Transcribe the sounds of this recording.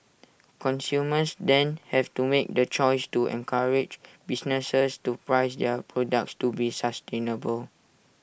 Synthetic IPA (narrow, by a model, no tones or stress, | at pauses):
kɔ̃nsjuməsdɛ̃nhɛftumek̚dət͡ʃɔjstuɛ̰̃nkʰaɹɪd͡ʒbisnəsəstupɹaɪsdɛpɹɔdak̚tstubisastẽnəbəl